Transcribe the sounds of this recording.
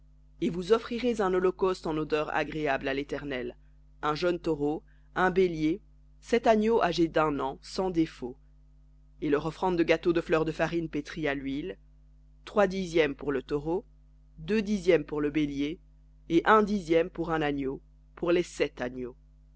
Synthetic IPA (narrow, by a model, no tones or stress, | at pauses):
evuzɔfχiʁezɛ̃nɔlɔkɔst̪ɑ̃nod̪œʁa̰ɡʁeablalet̪ɛʁnɛl | ɛ̃ʒənt̪ɔʁo | ɛ̃belje | sɛt̪anjoʔaʒed̪ɛ̃nɑ̃sɑ̃d̪efo | elœʁɔfχɑ̃d̪d̪əɡat̪od̪əflœʁd̪əfaʁinpet̪χialɥil | t̪χwad̪izjɛmpuʁlət̪ɔʁo | d̪ød̪izjɛmpuʁləbelje | eʔɛ̃d̪izjɛmpuʁɛ̃nanjo | pʰuʁlesɛt̪anjo